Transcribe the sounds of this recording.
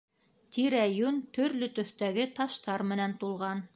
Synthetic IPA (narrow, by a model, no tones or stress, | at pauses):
t̪iɾæjunt̪ɵ̆ɾlɵt̪ɵ̆θt̪æɡɘt̪ɑʃt̪ɑɾmɘ̆nænt̪ulˠʁɑn